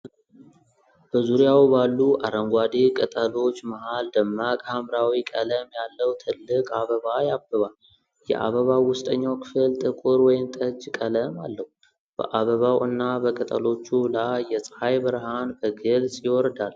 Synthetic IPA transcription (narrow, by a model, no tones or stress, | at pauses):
b̥əzuɾjawbalːuʔaɾəŋɡʷad̪ekʼət̪ʼəlo̞t͡ʃːmahald̪əmːakʼhamɾawikʼələmjalːəwt̪ʰɨlːɨkʼaβəβajabːəβal | jɛ̰ʔa̰βəβawʊst̪ʼəɲːawkʰɨ̥fɨlt̪ʼɨkʼʊɾwɔjɪmt̪ʼəd͡ʒkʼələma̰lːəhu | b̥ə̰ʔaβəβawʔɨnːabəkʼət̪ʼə̰lo̞t͡ʃːulaːɛsʼhajbəɾhanbəɡɨlsʼjɪwɔɾd̪al